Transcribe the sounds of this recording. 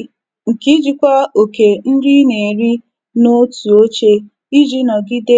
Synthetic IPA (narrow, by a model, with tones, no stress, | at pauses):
ŋ̩˨ki˦d͡ʒi˦kʷa˦o˨ke˨n̩˦di˦ne˨ɾi˦ | no˦tu˨o˦t͡ʃe˦ | i˦d͡ʒi˦nɔ˨ɡɪ˦de˦